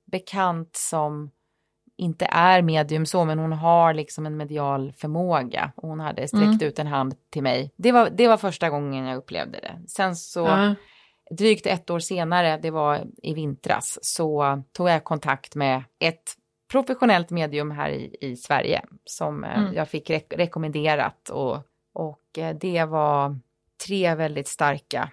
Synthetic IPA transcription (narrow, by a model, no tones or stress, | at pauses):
bɛkʰant̪sɔm | ʔɪnt̪ə̰ʔæɾmeːd̪ɪɵmsɔmɛnhʊnɦaɾlɪksɔmɛnmɛd̪ɪɑːlfœɾmoːɡa̰ʔɔhʊnha̰d̪ːəst̪ɾɛkːt̪ʉ̟ːt̪ɛnɦand̪t̪ʰːɪlmɛjd̪ɛvad̪ɛvaɾfœʂʈaɡɔŋːənjaːɡɵpːlḛːvd̪ə̰d̪ɛ̰sɛnsɔ | d̪ɾyːkt̪ɛt̪ːoːɾʂeːnaɾəd̪ɛvaɪvɪnt̪ɾa̰ssɔt̪ʰuːɡjakʰɔnt̪ʰakt̪mɛʔɛt̪ | pʰɾʊfɛɧʊnɛlt̪meːd̪ɪɵmɦæ̰ːɾɪ̰ɪsvæ̰ɾjə̰sɔmjɑːɡfɪkːɾɛɾɛkɔmɛnd̪eːɾa̰t̪ɔ̰ | ʔɔkd̪ɛvaɾ | t̪ʰɾeːvɛld̪ɪt̪st̪aɾka̰